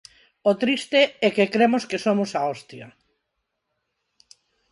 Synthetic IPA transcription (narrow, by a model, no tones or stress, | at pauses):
ot̪ɾist̪eɛkekɾemoskesomʊsaɔst̪jɐ̰